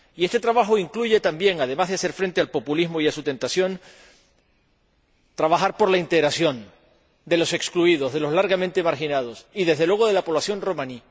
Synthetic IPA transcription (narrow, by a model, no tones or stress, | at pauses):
ie̞st̪e̞t̪ɾaβaxoiŋkluʝe̞t̪ambje̞ŋað̞emazðease̞ɾfɾe̞nt̪e̞alpo̞pulizmoiasut̪ẽ̞nt̪asjo̞n | t̪ɾaβaxaɾpo̞ɾlaint̪e̞ɣɾasjo̞n | d̪e̞lo̞se̞kskluiðo̞zðe̞lo̞zlaɾɣamẽnt̪e̞maɾxinað̞osiðe̞zðe̞lweɣo̞ð̞e̞lapoβlasjo̞nro̞mãni